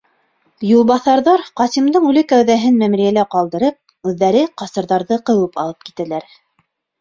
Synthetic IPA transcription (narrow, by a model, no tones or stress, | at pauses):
julˠβɑθɑɾðɑɾqɑsimd̪ɤɴʉlɘkæwðæɦɘnmæmɾijælæqɑlˠd̪ɤ̆ɾɤp̚ | ʉðːæɾɘqɑsɤ̆ɾðɑɾðɤqɤ̆wɤpɑlˠɤp̚ki̥t̪ælæɾ